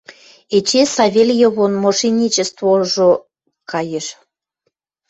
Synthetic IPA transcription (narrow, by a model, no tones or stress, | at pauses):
et͡ɕesɑβʲelʲjə̆βonmoʃinʲit͡ɕə̆st̪voʒo | kɑjəʃ